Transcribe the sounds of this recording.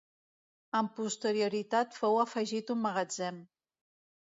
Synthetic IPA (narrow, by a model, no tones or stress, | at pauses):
əmpust̪əɾiuɾit̪at̪fɔwəfəʒit̪umːəɣəd͡zɛm